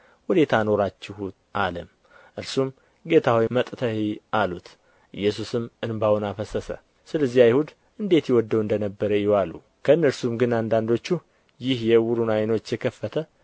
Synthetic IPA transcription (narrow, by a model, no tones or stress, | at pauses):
wɔd̪e̞t̪ʰano̞ɾat͡ʃːɪhu | ʔaləm | ʔɨɾsum | ɡe̞t̪ʰawijmət̪ʼt̪ʰəhialut̪ | ʔɨ̰jːɛsusɨmɨnbawɔnafəsəsə̰ | sɨləzːihajhud̪ | ʔɨnd̪e̞t̪jɛwɔd̪ːəwɨnd̪ənəbːəɾəjɪwalṵ | kʰəɨnːəɾsumɡɨnand̪and̪o̞t͡ʃːu | jɪhjɛwʊɾunajno̞t͡ʃːjɛkʰəfːət̪ʰə